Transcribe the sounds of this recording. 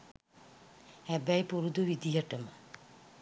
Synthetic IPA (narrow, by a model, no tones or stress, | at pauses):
hæbæjpuɾud̪uʋid̪ijəʈəmə